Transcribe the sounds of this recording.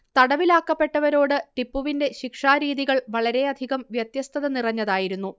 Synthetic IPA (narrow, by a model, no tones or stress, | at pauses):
t̪ɐɽɐʋilaːkːɐpːe̞ʈːɐʋɐɾo̞ːɽɨʈipːuʋinde̞ɕikʂaːɾiːðiɣɐɭʋɐɭɐɾe̞ɐd̪ʱiɣɐmʋjɐt̪jɐst̪ʰɐðɐnirɐɲːɐðaːjiɾunːu